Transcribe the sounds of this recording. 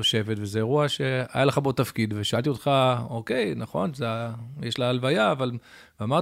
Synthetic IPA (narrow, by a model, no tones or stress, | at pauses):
oʃe̞vet̪vezeeʁuaʃea̰jaleχabo̞t̪afkidve̞ʃaʔalt̪io̞t̪χao̞ke̞jnaχo̞nzeajɛʃlaːlvajaːval | veamaʁ